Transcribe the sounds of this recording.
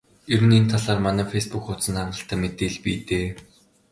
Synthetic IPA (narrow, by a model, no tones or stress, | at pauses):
ɵɾɘ̆nent̪ʰaɮaːrmanæːfejspukʊt̪sə̆nχaɴɢə̆ɬt̪ʰæːmet̪eːɮpiːt̪eː